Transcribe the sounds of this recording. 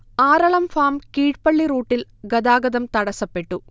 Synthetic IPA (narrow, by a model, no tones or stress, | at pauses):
aːɾɐɭɐmfaːmkiːʈ̚pɐɭːiɾuːʈːilɡɐd̪aːɡɐd̪ɐmt̪ɐɽɐsɐpːeʈːu